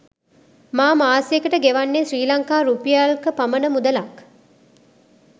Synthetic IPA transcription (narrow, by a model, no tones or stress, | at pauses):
maːmaːsijekəʈəɡeʋanːesriːlaŋkaːɾupijaːlkəpamənəmud̪əlak